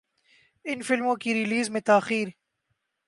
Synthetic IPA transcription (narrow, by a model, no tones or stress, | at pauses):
ɪnfɪlmõkiɾɪliːzmẽt̪aːxiːɾ